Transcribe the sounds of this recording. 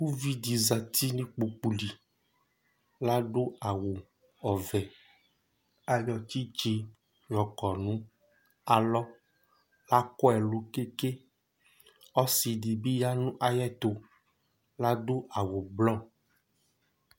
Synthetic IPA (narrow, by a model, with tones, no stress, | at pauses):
wu˦vi˦di˨za˨t̪i˦nĩ˦k͡pu˨k͡pu˨li˨ | la˦ɖo˦a˨wo˨ | ɔ˨vɛ˨ | a˨jɔ˨t̪i˦d͡ʒe˨ | ɾɔ˨kɔ˨nũ˦ | a˨lɔ˦ | la˦kɔ˦ɛ˨lo˨ke˦ke˦ | ɔ˦si˨di˨bi˦ja˦nũ˦ʔa˨jɛ˦t̪o˨ | la˦ɖo˦ʔa˨wo˨blɔ˦